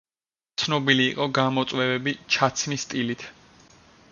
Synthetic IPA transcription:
t̪sʰnɔbiliːqʼɔɡamɔt̪sʼwɛvɛbit͡ʃʰat̪sʰmist̪ʼilit̪ʰ

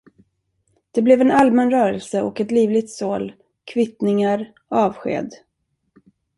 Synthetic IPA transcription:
d̪̥ɛblɛvɛnalmɛnɾœːɾəlsəʔɔkɛt̪liːvlɪɡ̚t̪soːl | kʰvɪt̪nɪŋaɾ | ɑːvɧḛːd̪

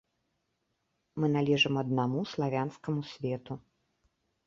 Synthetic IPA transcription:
mɨnalʲɛʐɨmɐd̪namuslˠavʲanskɐmusʲvʲɛt̪u

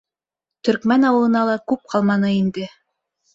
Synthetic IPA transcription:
t̪ɵ̆ɾkmænɑwɤ̆lˠɤ̆nɑlˠɑkʉp̚qʰɑlˠmɑnɤind̪ɘ

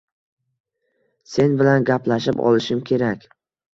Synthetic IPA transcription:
se̞nbɪlanɡʲaplaʃɪpɒ̰lˠɪʃɪmkʲʰe̞ɾakʲ

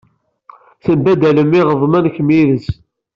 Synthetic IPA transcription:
θəmbæd̪æləmːiʁəvˤmænçmiðəs

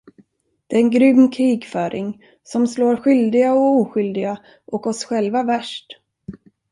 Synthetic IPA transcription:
d̪̥ɛæɾɛnɡɾʏmːkʰɾiːɡfœːɾʔɪ̰ŋ | sɔmsloːɾɧʏld̪ɪɡaɔuːɧʏld̪ɪɡa | ʔɔkɔsɧɛlvavæʂʈ

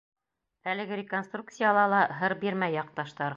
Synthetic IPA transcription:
ælɘ̆ɡɘɾʲɪkonst̪ruk̚t̪sɨjɑlˠɑlˠɑɦɤɾbiɾmæjːɑq̚t̪ɑʃt̪ɑɾ

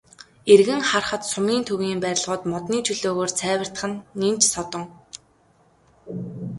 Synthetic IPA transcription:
erɣɘ̆ŋχarχə̆t̪sʊmiːnt̪ʰɵɣiːmpæɾʲɪ̆ɮʁʊːt̪mɔt̪niːt͡ɕʰɵɮoːɣoːrt͡sʰæːwə̆r̥t̪̆χə̆nːimt͡ɕsɔt̪ɞ̆ŋ

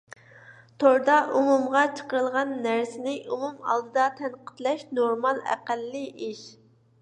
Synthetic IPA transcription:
t̪ʰoɾd̪ɑʔumumʁɑt͡ʃʰə̥qəɾəlˠʁɑnːæɾsɪnɪʔumumɑ̰lˠd̪ɨd̪ɑt̪ʰɛnqə̥t̪lɛʃnoɾmɑlˠæ̰qælːɨʔiʃ

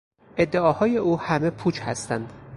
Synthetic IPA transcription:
ʔe̞d̪ːe̞ɒːhɒːje̞ʔuːhæme̞pʰuːt͡ʃhæst̪ænd̪

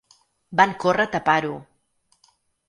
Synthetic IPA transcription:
baŋkorat̪apaɾu

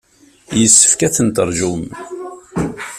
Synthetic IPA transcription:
jəsːə̥fkæθənt̪əɾˤʒum

